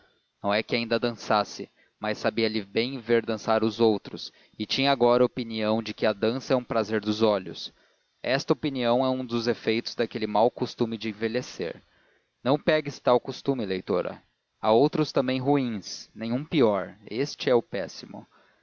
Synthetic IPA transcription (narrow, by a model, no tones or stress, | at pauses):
nɐ̃w̃ɛkɪaĩnd̪ɐd̪ɐ̃sasɪ | majsːabiɐlɪbẽj̃veɾd̪ɐ̃saɾʊzowt̪ɾʊs | ɪt͡ʃĩɲɐːɡɔɾɐopiniɐ̃w̃d͡ʒɪkɪɐd̪ɐ̃sɐɛũpɾazeɾd̪ʊzɔʎʊ̰s | ɛst̪ɐopiniɐ̃w̃ɛũd̪ʊzefejt̪ʊzd̪akelɪmawkost̪umɪd͡ʒɪẽvelesḛɾ | nɐ̃w̃pɛɡɪsɪ̥t̪awkust̪umɪlejt̪oɾɐ̰ | aowt̪ɾʊst̪ɐ̃mbẽj̃ɦuĩsnẽj̃ũpiɔɾest͡ʃɪɛʊpɛsimʊ̰